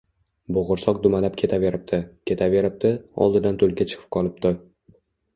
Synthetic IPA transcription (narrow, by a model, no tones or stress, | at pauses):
boʁʊɾsɒq̚d̪ʊmalapkʲʰe̞t̪ʰave̞ɾɪp̚d̪ʰɪkʲʰe̞t̪ʰave̞ɾɪp̚d̪̥ɪɒ̰lˠd̪ɪd̪ant̪ʰolˠɡʲat͡ʃʰɨ̥qʰɨ̥p̚qʰɒlˠɪpd̪̥ɪ